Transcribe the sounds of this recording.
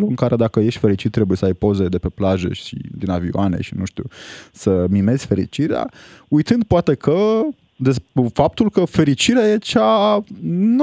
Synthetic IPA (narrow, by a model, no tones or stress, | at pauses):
luɨŋkaɾe̞d̪akəje̞ʃt̪fe̞ɾit͡ʃit̪ːɾe̞bujesəajpo̞zed̪e̞pe̞plaʒḛʃʃḭd̪inavioanḛʃinuʃt̪uusəmime̞z̥ʲfe̞ɾḭt͡ʃiɾea̰ujt̪ɨnd̪̚poat̪e̞kʰə | d̪esfap̚t̪ulkəfe̞ɾit͡ʃiɾeaje̞t͡ʃa | n